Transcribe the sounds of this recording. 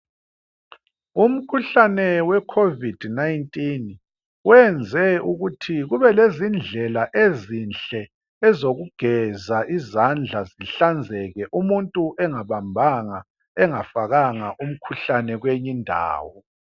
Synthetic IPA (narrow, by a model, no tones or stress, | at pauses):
um̩kʰuɬanɛwɛkʰovid̥najntʼin | wɛnd͡zʱɛuɣutʰiɣuβɛlezind͡ɮʱɛlaʔezinɬɛ | ɛzoɣuɡ̥ʱɛzaʔizand͡ɮʱaziɬand͡zʱɛɣɛʔumuntʼuʔɛŋaβambʱaŋa | ɛŋafaɣaŋaʔum̩kʰuɬanɛɣweɲindʱa̰ːwɔ